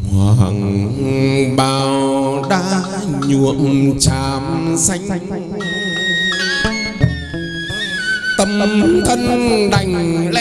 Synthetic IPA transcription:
haː˨˧˩ɦa̰˨˩ŋ | ɓaː˨˩wwɗaː˧˥ | ɲṵ˧˨ənt͡ɕaː˨˩msa˧jŋ̚ | t̪ə˧˩m˦t̪ʰə˧nɗa˨˩jŋ̟l

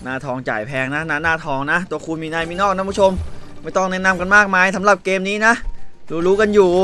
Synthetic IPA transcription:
naː˥˩t̪ʰɔː˧ŋt͡ɕa̰ː˨˩jpʰɛː˧ŋna˦˥na˦˥˩naː˥˩t̪ʰɔː˧ŋna˦˥ʔt̪u˧ɐkʰu˧nmiː˧na˧jmiː˧nɔː˥˩kna˦˥pʰu˦˥o˧mma˥˩jt̪ɔ˥˩ŋnɛ˦˥ʔna˧mka˧nmaː˥˩k̚maː˧jsʰa˩˦mla˨˩p̚keː˧mniː˦˥na˦˥ʔɾuː˧ɾuː˦˥ka˧njuː˨˩

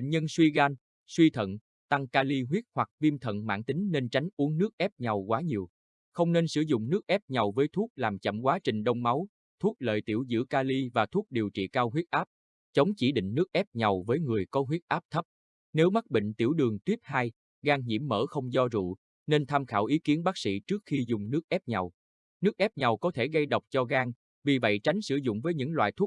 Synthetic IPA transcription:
nɲə˧nswi˧ɣaː˧n | swi˧t̪ʰə̰˧˨n | t̪a˧ŋkaː˧li˧ɦwi˦˥ət̚hwa˨˩k̚vi˧mt̪ʰə̰˧˨nma̰ː˧˥nt̪ï˨˦ŋ̟ne˧nt͡ɕa˨˦jŋ̟ʔu˨˦əŋnɨ˦˥ək̚ʔɛ˦˥p̚ɲa˨˩wkwaː˨˦ɲi˨˩əw | xə˧wŋ͡mne˧nsɨ̰˧˩zʊ̰˧˨ŋ͡mnɨ˦˥ək̚ʔɛ˦˥p̚ɲa˨˩wvəː˨˦jt̪ʰu˦˥ək̚laː˨˩mt͡ɕə̰˧˩mkwaː˨˦t͡ɕï˨˩ŋ̟ɗə˧wŋ͡mma˨˦w | t̪ʰu˦˥ət̚lə̰ː˧˨jt̪ḭ˧˩əwzɨ̰˧˥kaː˧li˧vaː˨˩t̪ʰu˦˥ək̚ɗi˨˩wt͡ɕḭ˧˨kaː˧wɦwi˦˥t̚ʔaː˦˥p̚ | t͡ɕə˨˦wŋ͡mt͡ɕi˧˩ɗḭ˧˨ŋ̟nɨ˦˥ək̚ʔɛ˦˥p̚ɲa˨˩wvəː˨˦jŋɨ˨˩əjkɔ˨˦ɦwi˦˥ət̚ʔaː˦˥p̚t̪ʰə˦˥p̚ | ne˨˦wma˦˥k̚ɓḭ˧˨ŋ̟t̪i˧˩əwɗɨ˨˩əŋt̪wi˦˥əp̚haː˧j | ɣaː˧ŋɲḭ˧˩əmːə̰ː˧˩xə˧wŋ͡mzɔ˧zṵ˧˨ | ne˧nt̪ʰaː˧mxaː˧˩wʔi˨˦ki˨˦ənɓaː˦˥k̚sḭ˧˥t͡ɕɨ˦˥ək̚xi˧zʊ˨˩ŋ͡mnɨ˦˥ək̚ʔɛ˦˥p̚ɲa˨˩w | nɨ˦˥ək̚ʔɛ˦˥p̚ɲa˨˩wkɔ˨˦t̪ʰe˧˩ɣə˧jɗə˨˩wk͡p̚t͡ɕɔ˧ɣaː˧ŋ | vi˨˩və̰˧˨jt͡ɕa˨˦jŋ̟sɨ̰˧˩zʊ̰˧˨ŋ͡mvəː˨˦jɲɨ̰˧˥ŋlwa̰ː˧˨jt̪ʰu˦˥k̚

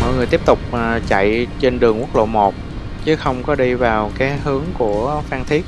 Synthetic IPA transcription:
mɔ̰˧˨jŋɨ˨˩əjt̪i˦˥əp̚t̪ʊ˨˩k͡p̚ːt͡ɕa̰˧˨jt͡ɕe˧nɗɨ˨˩əŋkwu˦˥ək̚lo̰˧˨mo˨˩t̚ | t͡ɕɨ˨˦xə˧wŋ͡mkɔ˨˦ɗi˧vaː˨˩wkaː˨˦jɦɨ˨˦əŋku˧˩əfaː˧ŋt̪ʰi˦˥ək̚

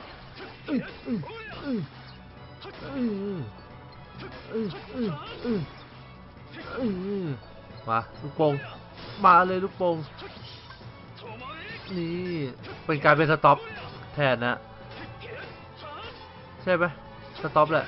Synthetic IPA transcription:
ʔɯ˧˩ʔɯː˧˩ʔɯː˧˩ | ʔɯː˧˩ | ʔɯː˧˩ʔɯː˧˩ʔɯː˧˩ | ʔɯː˧˩ | wa˧˩lu˦˥k̚po˧ŋ | maː˧lɤː˧jlu˦˥k̚po˧ŋ | niː˧˥pe˧nkaː˧jp̬e˧nsa˧t̪ɔ˦˥p̚ | t̪ʰɛː˧˩na˦˥ʔ | t͡ɕʰa˥˩jma˦˥j | sa˧t̪ɔ˦˥p̬̚lɛ˨˧˨ʔ

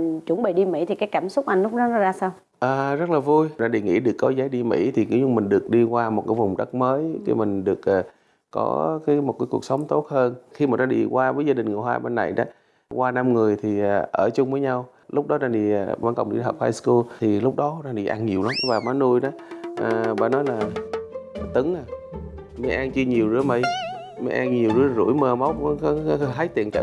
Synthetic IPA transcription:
t͡ɕwə˧˩nɓḭ˧˨ɗi˧mḭ˧˥t̪ʰi˨˩kaː˨˦jkaː˧˩msʊ˦˥k͡p̚ʔa˧jŋlʊ˦˥k͡p̚ɗnɔ˨˦nɔ˦˥zaː˧saː˧w | ʔaː˨˩zə˦˥t̚laː˨˩vu˧jɗaː˧˩ɗi˨˩ŋḭ˧˥ɗɨ˨˩əkːɔ˨˦zaː˨˦jɗi˧mḭ˧˥t̪ʰi˨˩ki˨˦ɲʊ˧mï˨˩ŋ̟ɗɨ˨˩ək̚ɗi˧kwaː˧mo˨˩t̚kaː˨˦vʊ˨˩wŋ͡mɗə˦˥k̚məː˨˦jkḭ˧˦mï˨˩ŋ̟ɗɨ˨˩ək̚ʔaː˨˩ | kɔ̰˨˦kaː˨˦jmo˨˩t̚kaː˨˦jku˨˩ək̚sə˨˦wŋ͡mt̪o˦˥t̚həː˧nxi˧maː˨˩aː˨˦ɗḭ˧˩kwaː˧vəː˨˦jzaː˧ɗï˨˩ŋ̟ŋɨ˨˩əɦaː˧jɓe˧nːa˨˩jɗa̰ː˨˦ | kwaː˧na˧mŋɨ˨˩əjt̪ʰi˨˩a˨˩ʔəː˧˩t͡ɕʊ˧ŋ͡mvəː˨˦jɲa˧w | lʊ˦˥k͡p̚ɗɔ˨˦naː˧˩ɗi˨˩˨aː˧˨˩kə˨˩wŋ͡mɗḭ˧˩t̪əː˨˩p̚haː˧jsku˧lt̪ʰi˨˩lʊ˦˥k͡p̚ɗɔ˨˦naː˧ɗḭ˨˩ʔa˧nɲi˨˩əwla˨˦mvaː˨˩ma˨˦nu˧jɗɔ˨˦ʔəː˨˩ɓa̰ː˧˩nɔ˨˦jlaː˨˩˨ | t̪ɨ˨˦ŋʔaː˨˩ | mi˨˦ʔaː˧ŋt͡ɕi˧ɲi˨˩əwzɨ̰˧˥mə˧˩j | mə˨˦ʔaː˧ŋɲi˨˩əwzɨ̰˧˦zṵ˧˩jməː˧˩ma˨˦wk͡p̚ɦaː˨˦jt̪ḭ˨˧˨ənt͡ɕə̰ː˧˨

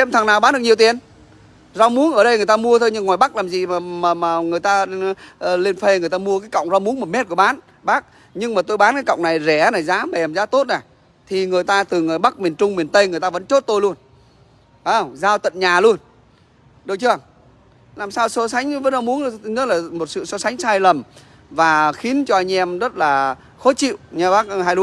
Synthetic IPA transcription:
ɛ˧˨mt̪ʰa˨˩ŋnaː˨˩wɓaː˨˦nɗɨ˨˩k̚ɲ˨˩əwt̪i˨˩ən | za˧wmu˨˦nʔəː˧˩ɗə˧jŋ˨˩əjt̪aː˧mu˧ət̪ʰo˧jɲɨ˧ŋːwaː˨˩jɓa˦˥k̚laː˨˩mzḭ˧˨maː˨˩maː˨˩maː˨˩ŋɨ˨˩əjt̪aː˧ʔle˧nfe˧ŋɨ˨˩əjt̪aː˧mu˧əkaː˨˦jkə̰˧˨wŋ͡mza˧wŋ͡mmu˨˦ənmo˨˩t̚me˦˥t̚kəɓaː˨˦n | ɓaː˦˥k̚ | ɲɨ˧ŋmaː˨˩t̪o˧jɓaː˨˦nkaː˨˦kə̰˧˨wŋ͡mna˨˩jzɛ˧˩na˨˩jzaː˨˦ma˨ɛ˨˩mza̰ː˨˦˥t̪o˦˥t̚na˨˩ | t̪ʰi˨˩ŋɨ˨˩əjt̪aː˧t̪ɨ˨˩ŋɨ˨˩jɓa˦˥k̚mi˨˩ənt͡ɕʊ˧ŋ͡mmi˨˩ənt̪ə˧jŋɨ˨˩əjt̪aː˧və̰˧˥nt͡ɕo˦˥t̚t̪o˧jlu˧ən | aː˧˩wzaː˧wt̪ə̰˧˨nɲaː˨˩lu˧ən | ɗə˨˩wt͡ɕɨ˧ə˨˩ŋ | laː˨˩msaː˧wso˨˦sa˨˦jŋ̟və˨˧˥nzɔ˧mu˨˦ən˧ɲə˦˥t̚laː˨˩mo˨˩t̚sɨ̰˧˨sɔ˨˧˦sa˨˦jŋ̟saː˧jlə˨˩m | vaː˨˩xi˨˦ənt͡ɕɔ˧ʔa˧ŋʔɛ˧mzə˦˥t̚laː˨˩ | xɔ˨˦˥t͡ɕḭ˧˨wɲa˧ɓaː˦˥k̚ɦaː˧jɗu˨˦

